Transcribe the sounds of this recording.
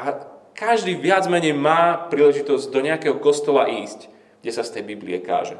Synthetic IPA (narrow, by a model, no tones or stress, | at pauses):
ʔakaʒd̪iːʋɪad͡zmɛɲɛjmaːpɾiːlɛʒit̪ɔzɟd̪ɔɲɛakɛɦɔkɔst̪ɔlaʔiːsc | ɡɟɛsast̪ɛjbiblḭɛka̰ːʒɛ